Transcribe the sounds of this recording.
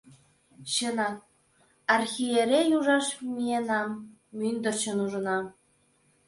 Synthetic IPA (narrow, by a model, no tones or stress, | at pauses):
ɕənɑ | ɑrxʲijeɾʲejuʒɑʃmijenɑmː | ynd̪ə̆rt͡ɕənuʒə̆nɑ